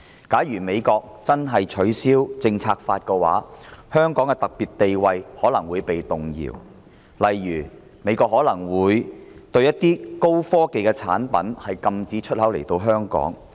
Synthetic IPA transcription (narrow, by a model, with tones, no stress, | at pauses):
kaː˨˥jɥyː˨˩me˨˧jkɔː˧k̚t͡sɐ˥nɦɐ˨jt͡ʃʰɵ˨˥ɥsiː˥wt͡sɪ˧ŋt͡sʰaː˧k̚faː˧t̚kɛː˧wa̰ː˨˥hœː˥ŋkɔː˨˥ŋkɛ˧t̪ɐ˨k̚piː˨t̚t̪e˨jwɐ˨˧jhɔː˨˥lɐ˨˩ŋwuː˨˧jpe˨jt̪ʊ˨ŋjḭ˨˩w | lɐ˨jːyː˨˩ | me˨˧jkɔː˧k̚hɔː˨˥lɐ˨˩ŋwuː˨˧jt̪ɵ˧ɥjɐ˥t̚t̪iː˥ko˥wfɔː˥ke˨jkɛ˧t͡sʰa̰ː˨˥npɐ̰˨˥nhɐ˨jkɐ˧mt͡siː˨˧˥t͡ʃʰɵ˥t̚hɐ˨˥wle˨˩jt̪o˧wɦœː˥ŋkɔ̰ː˨˥ŋ